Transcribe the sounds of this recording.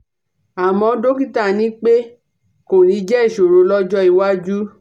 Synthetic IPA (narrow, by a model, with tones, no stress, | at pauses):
a˨mɔ̃˨˧˦do˦ki˦˨ta˦˨nĩ˨˦k͡pe˦ | ko˨nĩ˨˦d͡ʒɛ˦i˦˨ʃo˨ɾo˨˧˦lɔ˦d͡ʒɔ˦i˨wa˦d͡ʒu˦